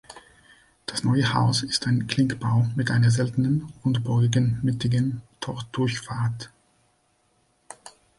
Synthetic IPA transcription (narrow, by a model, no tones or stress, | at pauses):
d̥asnɔʏəha̰ʊsɪstʰaɪnkl̥ɪŋkb̥aʊmɪtʔa̰ɪnɐzɛltənənʊntb̥ɔɡɪɡənmɪtɪɡəntʰɔɐd̥ʊɐçfaːɐt